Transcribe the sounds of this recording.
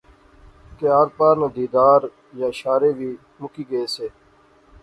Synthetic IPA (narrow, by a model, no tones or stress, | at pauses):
k̪jaːɾpaːɾnaːd̪iːd̪aːɾ | jaːʃaːɾeːʋiː | mʊkiːɡəeːseː